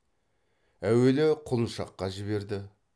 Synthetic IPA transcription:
æwe̞lɪqʰʊlˠənʃɑ̰qːɑʒɪβe̞ɾd̪ɪ

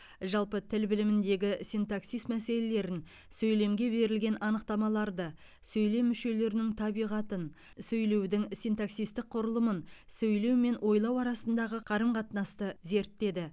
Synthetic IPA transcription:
ʒɑlˠpət̪ʰɪlbɪlɪmɪnd̪e̞ɡʲɪsijnt̪aksijst̪mæse̞le̞le̞ɾɪn | sɵjle̞mɡʲe̞be̞ɾɪlɡʲe̞nʔɑnəq̚t̪ɑmɑlˠɑɾd̪ə | sɵjle̞mːʏʃe̞le̞ɾɪnɪŋt̪ʰɑbijʁɑt̪ən | sɵjle̞wd̪ɪŋsint̪aksijst̪ɪk̚qʰʊɾəlˠəmənsɵjle̞wme̞nwʔo̞jlˠɑwɑɾɑsənd̪ɑʁəqʰɑɾəmqʰɑt̪nɑst̪əze̞ɾt̪ːe̞d̪ɪ

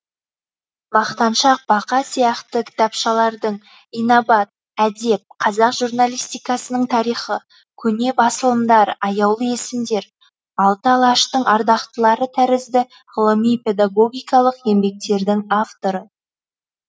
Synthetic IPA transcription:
bɑqt̪ɑnʃɑq̚bɑqɑsijɑqt̪əkʲʰɪ̥t̪ɑpʃɑlˠɑɾd̪əɴ | ijnobɑt̪̚ | æd̪e̞p̚qʰɑzɑqʒurnalʲˠijst̪ijkɑsənəɴt̪ʰɑɾijχə | kʲʰɵne̞bɑsəlˠəmd̪ɑɾɑjɑwlˠəje̞sɪmd̪e̞ɾ | ɑlˠt̪əlˠɑʃt̪əɴɑɾd̪ɑqt̪əlˠɑɾət̪ʰæɾɪzd̪ɪ | ʁəlˠəmijpe̞d̪aɡo̞ɡʲijkɑlˠəqe̞mbe̞k̚t̪e̞ɾd̪ɪŋaft̪o̞ɾə

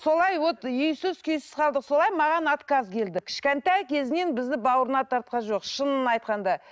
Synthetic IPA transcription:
so̞lˠɑjwot̪jʏjsɪzkʲʰʏjsɪzqʰɑlˠd̪əqso̞lˠɑjmɑʁɑnɑt̪kɑzkʲʰe̞ld̪ɪkʲʰɪ̥ʃkʲent̪æjkʲʰe̞zɪne̞nbɪzd̪ɪbɑwəɾənɑt̪ʰɑɾt̪̚qɑnʒo̞qʃənənɑjt̪qɑnd̪ɑ

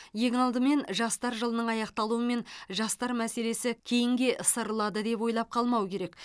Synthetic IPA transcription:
je̞ŋɑlˠd̪əme̞nʒɑst̪ɑɾʒəlˠənəɴɑjɑqt̪ɑlˠuəme̞nʒɑst̪ɑɾmæse̞le̞sɪkʲʰe̞jɪŋɡʲe̞ʔsəɾəlˠɑd̪əd̪e̞pwo̞jlˠɑp̚qʰɑlˠmɑwəkʲʰe̞ɾe̞k

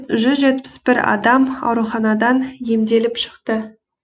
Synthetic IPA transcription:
ʒʏzʒe̞t̪pɪ̥sbɪɾɑ̰d̪ɑmɑ̰wɾuχɑnɑd̪ɑnje̞md̪e̞lɪpʃə̥qt̪ə

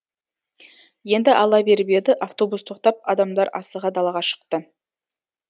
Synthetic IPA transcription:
je̞nd̪ɪʔɑlˠɑbe̞ɾbe̞d̪ɪʔaft̪o̞bust̪ʰo̞qt̪ɑp̚ɑd̪ɑmd̪ɑɾɑsəʁɑd̪ɑlˠɑʁɑʃə̥q̚t̪ə

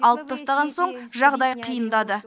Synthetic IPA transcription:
ɑlˠəp̚t̪ʰɑst̪ɑʁɑnso̞ɴʒɑʁd̪ɑjqʰijənd̪ɑd̪ə

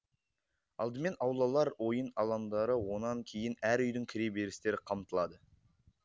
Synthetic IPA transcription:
ɑ̰lˠd̪əme̞nɑwlˠɑlˠɑɾwo̞jənɑlˠɑmd̪ɑɾəwo̞nɑŋkʲʰe̞jɪnæɾʏjd̪ɪŋkʲʰɪɾe̞be̞ɾɪst̪e̞ɾɪqʰɑmt̪əlˠɑd̪ə

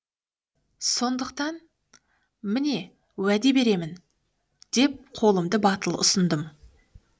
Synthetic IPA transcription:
so̞nd̪əq̚t̪ɑn | mɪne̞ | wæd̪e̞be̞ɾe̞mɪn | d̪̥e̞p̚qʰo̞lˠəmd̪əbɑt̪əlˠʊ̰sənd̪əm

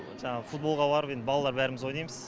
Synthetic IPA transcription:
ʒɑɴɑʁəfut̪̚bo̞lˠʁɑbɑɾəpe̞nd̪ɪbɑlˠɑlˠɑɾbæɾɪmɪzwo̞jnɑjməz̥

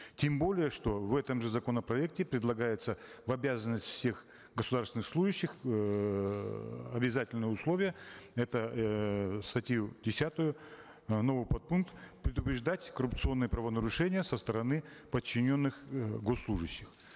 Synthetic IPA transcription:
tʲembo̞lʲɪjəʂt̪o̞vɛt̪əmʐɨzɐko̞nəpɾɐɛk̚tʲɪpɾʲɪd̪lˠɐɡajɪt̪səvɐbʲazənːəsʲtʲfsʲe̞x | ɡəsʊd̪aɾsʲɪnɨxslˠuʐɨɕːɪx | ɐbʲɪzatʲɪlʲnɨjəʊslˠovʲɪjəɛt̪ə | st̪ɐtʲjudʲɪsʲat̪ʊjʊ | novɨpɐt̪̚punkt̪pɾʲɪd̪ʊpɾʲɪʐd̪atʲkərʊpt̪sɨo̞nːɨjəpɾəvənəɾʊʂɛnʲɪjəsəst̪əɾɐnɨpət͡ɕːɪnʲo̞nːɨxɡosːlˠuʐɨɕːɪx

